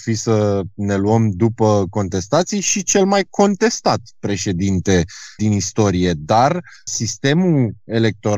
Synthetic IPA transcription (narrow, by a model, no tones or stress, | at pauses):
fisəne̞luəmd̪upəko̞nt̪e̞st̪at̪sijʃit͡ʃe̞lmajkʰo̞nt̪e̞st̪at̪pɾe̞ʃe̞d̪int̪e̞d̪inist̪o̞ɾije̞d̪arsist̪e̞mue̞le̞k̚t̪o̞ɾ